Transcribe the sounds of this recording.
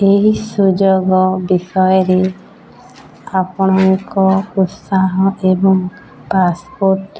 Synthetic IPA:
eɦisud͡ʒoɡɔbisɔjɔɾe | apɔɽ̃ɔŋkɔut̪saɦɔʔebɔŋ | paspoɾʈ

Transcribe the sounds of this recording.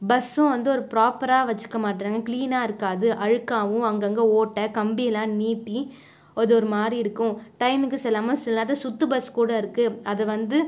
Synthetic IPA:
bɐsʊ̃ʋɐnd̪ɯɔɾɯpɪɾaːpːɐɾaːʋɐt͡ʃːɯ̥kːɐmaːʈ̬ːɾaːŋɡɐkliːnaːɪɾɯkːaːðɯʔɐɻɯkːaːʋʊ̃ɐŋɡɐɐŋɡɐoːʈːɐkɐmbiɛlãːniːpːi | ɔðɯɔɾɯmaːɾiɪɽɯkːʊ̃ʈɐɪmɪkːɯsɛlːaːmɐsɪlɐaːt̪ːɐsʊt̪ːɯbɐskuːɽɐɪɾɯkːɯɐðɐʋɐnd̪ɯ

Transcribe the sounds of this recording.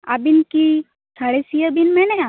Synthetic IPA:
a̰binki | sʰaɽesijəbinmɛ̃nɛa

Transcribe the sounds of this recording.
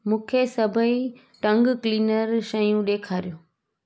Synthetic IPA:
mũːkʰesɐbʱəi | ʈɐ̃ŋɡkliːnəɾʃɐjũɗeːkʰaːɾijoː

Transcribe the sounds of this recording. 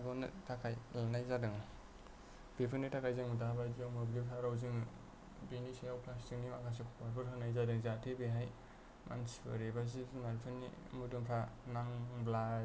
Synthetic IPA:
ɡɔnɯ̰tʰakʰajlanajzadɯŋ | b̥ipʰɯnitʰakʰajzɯŋmudabajdijawmɯblipʰaɾawzɯŋ | binisajawpʰlastiŋ̚nimakʰas̬ekʰɔwaɾbɯɾɦɯnajzadɯŋzatʰibeɦaj | mʔa̰nsibɯ̰ɾebazizunaɾpʰɯnːḭmudɯŋpʰanaŋbla

